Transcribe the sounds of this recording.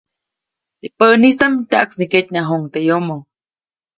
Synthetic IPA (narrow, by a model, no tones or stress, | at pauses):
t̪eʔpənist̪amt̪aʔksniket̪ʲnaɦoŋt̪ejomo